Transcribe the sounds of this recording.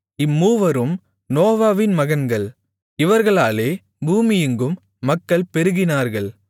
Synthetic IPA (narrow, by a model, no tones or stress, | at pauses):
ɪmːuːʋɐɾɯm | noːʋaːʋɪnmɐɣɐnɡɐɭ | ɪʋɐɾɣɐɭaːleː | buːmɪjɯŋɡɯmː | ɐkːɐɭpɛɾɯɣɪnaːɾɣɐɭ